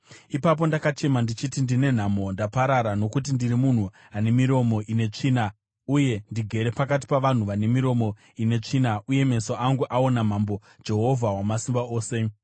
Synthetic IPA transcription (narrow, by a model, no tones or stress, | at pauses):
ipap̬o̞ndakat͡ʃe̞mandit͡ʃitindine̞n̤amo̞ndapaɾaɾano̞kut̬indiɾimun̤u | ane̞miɾo̞mo̞ʔine̞t͡ʂiːna | uje̞ndiɡʱe̞ɾe̞pakat̬i̥paʋan̤uʋane̞miɾo̞mo̞ | ine̞t͡ʂinaʔuje̞me̞so̞ʔaŋɡuʔao̞nam̤ambo̞̥ | d͡ʒe̞ɦo̞vʱaɦwamasimbao̞ːse̞